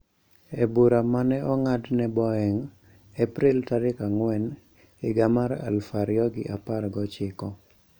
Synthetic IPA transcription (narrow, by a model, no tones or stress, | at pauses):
ebuɾamanɛʔɔŋadnɛbɔɛŋ | ɛpɾɪltaɾɪkaŋwɛn | ɪɡamaɾa̰lfaɾjɔɡɪ̰ʔaparɡɔt͡ʃɪkɔ